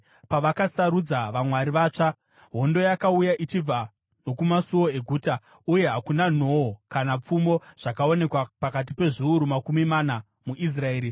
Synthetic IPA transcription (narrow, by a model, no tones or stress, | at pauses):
paʋakasaɾud͡zaʋamwaɾiʋaːt͡ʂa | ɦo̞ndo̞jakaujaʔit͡ʃib͡va | no̞kumasuwo̞eɡʱuːta | uje̞ɦakunano̞okanap͡fumo̞ʐ̥akao̞ne̞kwapakat̬ipe̞ʐiuɾumakumimana | muʔis̬raeːɾi